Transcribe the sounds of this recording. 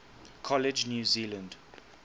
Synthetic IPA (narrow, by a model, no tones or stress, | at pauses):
kʰɔlɪd͡ʒnjuːzilə̃nd